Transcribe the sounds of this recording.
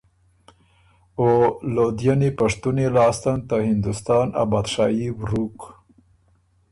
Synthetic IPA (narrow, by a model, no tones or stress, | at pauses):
olod̪janipaʂt̪unelɑːst̪ant̪ahɪnd̪ust̪ɑːna̰bɑd̪ʂɑjiwɾuk